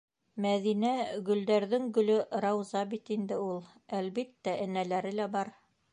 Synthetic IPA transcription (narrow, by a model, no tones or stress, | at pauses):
mæðinæɡɵ̆ld̪æɾðɘŋɡɵ̆lɵɾɑwzɑbit̪ind̪ɘulˠ | ælβit̪ːæʔɘ̆nælæɾɘlæbɑɾ